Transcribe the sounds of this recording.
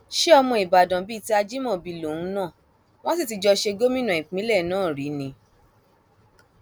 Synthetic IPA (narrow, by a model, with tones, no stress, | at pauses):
ʃe˦ɔ˧mɔ̃˧i˨ba˨dã˨bi˦ti˧˦a˧d͡ʒi˦mɔ̃˦˨bi˧lo˨ũ˨˦nã˦˨ | w̃ɔ̃˦si˦˨ti˨˧d͡ʒɔ˧ʃe˧ɡo˦mĩ˦nã˨ĩ˨k͡pĩ˨˦lɛ˦˨nãː˦˨ɾi˨˦nĩ˧